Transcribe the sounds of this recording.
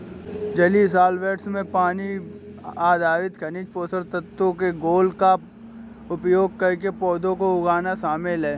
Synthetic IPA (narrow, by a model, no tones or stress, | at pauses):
d͡ʒəlis̬aːlʋeːʈsmẽpaːni | aːd̪aːʋɪt̪kʰɐnit͡ʃpoːsəɾt̪ət̪õkeɡoːlka | ʊpjoːɡ̚kəɾkepɔːd̪õkoʊɡaːnaʃaːmɪlɦɛː